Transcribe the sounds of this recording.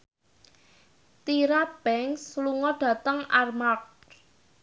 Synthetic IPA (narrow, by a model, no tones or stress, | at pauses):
t̪iɾab̥ɛŋsluŋɔɖ̥ä̤t̪əŋʔarmat̚